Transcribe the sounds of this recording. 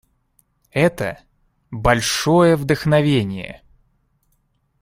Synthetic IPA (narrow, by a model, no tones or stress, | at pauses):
ɛt̪ə̰ | bɐlʲʂojəvd̪əxnɐvʲenʲɪjə̰